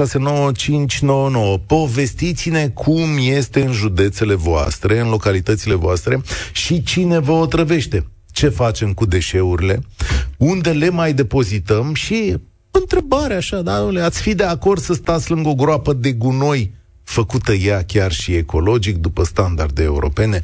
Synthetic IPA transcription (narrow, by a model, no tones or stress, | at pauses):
ase̞no̞wət͡ʃint͡ʃʲno̞wəno̞wəpo̞ve̞st̪it̪sine̞kʰumje̞st̪e̞ɨnʒud̪e̞t̪se̞le̞voa̰st̪ɾe̞ɨnlo̞kalit̪ət̪sile̞voast̪ɾe̞ʃit͡ʃine̞vəot̪ɾəve̞ʃt̪e̞ | t͡ʃe̞fat͡ʃe̞mkud̪e̞ʃe̞uɾile̞und̪e̞le̞majd̪e̞po̞zit̪əmʃi | ɨnt̪ɾe̞baɾeaʃad̪anuleat̪sʲfid̪e̞ako̞rd̪səst̪at̪sʲlɨŋɡo̞ɡɾoapəd̪e̞ɡuno̞j | fəkut̪əjakʲarʃie̞ko̞lo̞d͡ʒik̚d̪upəst̪and̪ard̪e̞̰ːṵɾo̞̰pe̞ne̞